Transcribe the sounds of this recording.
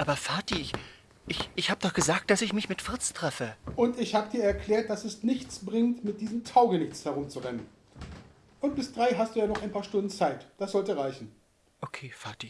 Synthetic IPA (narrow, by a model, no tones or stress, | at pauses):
ʔaːbɐfaɐtiɪç | ʔɪçʔɪçhaːbədɔχɡ̥əzaːk̚t̚d̥asɪçmɪçmɪtfɪɐt͡stʁ̥ɛfəʔʊntɪçhaːbədiːɐɛɐkʰl̥ɛːɐt̚d̥asɛsnɪçt͡sb̥ʁɪŋtmɪt̚d̥iːzəm̩tʰaʊɡənɪçt͡shɛɐʁ̞ʊmt͡suʁɛnən | ʔʊnt̚b̥ɪsd̥ʁaɪɦastd̥uːjaːnɔχaɪnpʰaːɐʃtʊndn̩t͡saɪtd̥asz̥ɔltəʁaɪçn̩ | ʔokʰeːfaɐti